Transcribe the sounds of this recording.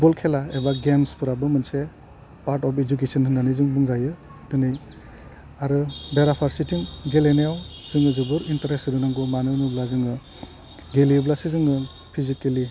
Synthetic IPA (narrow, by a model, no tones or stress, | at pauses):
bɔlkʰelaebaɡemspʰɯɾabɯmɯnse | paɾtɔpʰed͡ʒukesɔnhɯnanizɯŋbɯŋzajɯdɯnɯŋ | aɾɯbeɾapʰaɾsitʰiŋɡelenejawzɯŋɯzɯbɯɾintaɾesɯdɯnaŋɡɯmanɯnublazɯŋɯ | ɡeliblasezɯŋɯ | pʰizikeli